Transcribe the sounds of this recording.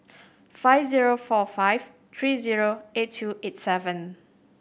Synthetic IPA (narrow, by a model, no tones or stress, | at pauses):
faɪfziɹofɔfajv | t̪ʰɹiziɹoetʰːuʔet̚sɛvə̃n